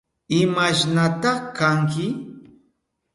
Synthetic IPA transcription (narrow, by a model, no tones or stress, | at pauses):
ɪmaʃnat̪ɑχkaŋkɪ